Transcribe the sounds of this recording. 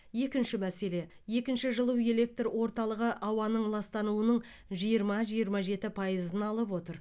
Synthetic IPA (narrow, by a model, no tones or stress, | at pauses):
je̞kʲɪnʃɪmæse̞le̞ | je̞kʲɪnʃɪʒəlˠəwe̞le̞k̚t̪rwo̞ɾt̪ɑlˠəʁəʔɑwɑnəɴlˠɑst̪ɑnuənəɴ | ʒijəɾmɑʒijəɾmɑʒe̞t̪ɪpʰɑjəzənɑlˠəpwo̞t̪əɾ